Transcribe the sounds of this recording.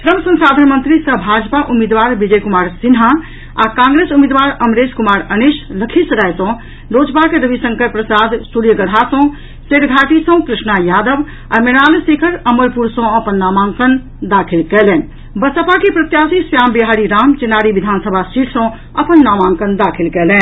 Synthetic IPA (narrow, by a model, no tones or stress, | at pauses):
t̪ɾəmsə̃ŋsad̪ʱənmənt̪ɾisəbʱad͡ʒpaʔumed̪ʋaɾbid͡ʒəjkumaːɾsinɦa | a̰kãŋɡɾesumed̪ʋaɾəmɾed͡ʒkumaɾənisləkʰisɾajsɔ̃ | lod͡ʒpakeɾəbʱisə̃ŋkəɾpɾəsad̪suɾjəɡəɽ̤ʱasɔ̃ | seʈɡʱaʈisə̃kɾisnajad̪əb | ameɽalsekʰəɾəməɾpuɾsɔ̃əpənːamãŋkən | d̪akʰilkɛlɛn | bəsəpakipɾət̪jasisjaːmbiɦaɾiɾaːmt͡ʃenaɾiʋid̪ʱansəbʱasiʈʰsə̃ | əpənːamãŋkənd̪akʰilkɛlɛːn